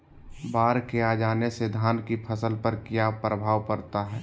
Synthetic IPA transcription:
baːɾkeaːd͡ʒaːnesed̪ʱaːnkipʰəsəlpəɾkijapɾəbʱaːʋpəɾt̪aɦɛː

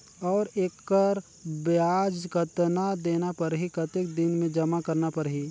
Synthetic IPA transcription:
ɔːɾeːkːəɾ | bjaːd͡ʒkət̪nad̪eːnapɐɾɦikɐt̪ek̚d̪ɪnmẽd͡ʒɐmakɐɾnapəɾɦiː

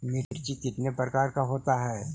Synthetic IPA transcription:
nɪɾɾt͡ʃit̪ɪt̪nepɾəkaːɾkaɦoːt̪aɦɛː

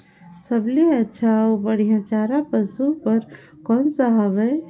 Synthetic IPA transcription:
səbleɐtːʃʰaobəɽijãt͡ʃaːɾapəsupəɾ | kɔːnsaɦabɛ

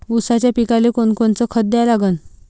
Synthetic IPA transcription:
usat͡ɕjapikalekoɳkoɳt͡səkʰət̪̚d̪jalaɡən

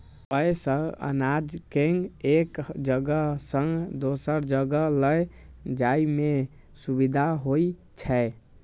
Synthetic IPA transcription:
əjsəɡə̰nad͡ʒkeŋɡekd͡ʒəɡəsə̃ŋɡd̪osəɾd͡ʒəɡələj | d͡ʒaime | subid̪ʱaɦoi | t͡ʃʰɛ

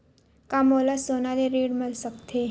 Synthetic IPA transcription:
kamoːlasoːnaleɾeːɽmɪlsəkt̪ʰe

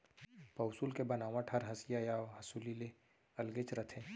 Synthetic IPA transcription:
pɐwsulkebɐnaːʋãʈʰɐɾɦɐsijajaːɦɐsuːlile | ɐlɡet͡ʃɾɐt̪ʰẽː

